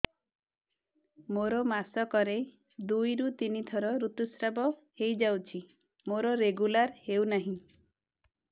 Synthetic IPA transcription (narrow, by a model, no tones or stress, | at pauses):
moɾɔmasɔkɔɾe | d̪ujɾut̪init̪ʰɔɾɔɾut̪usɾabɔhejd͡ʒawt͡ʃʰi | moɾɔɾeɡulaɾhewnaɦĩ